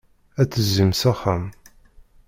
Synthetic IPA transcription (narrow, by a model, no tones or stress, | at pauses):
æt͡sːəzəmsæχəm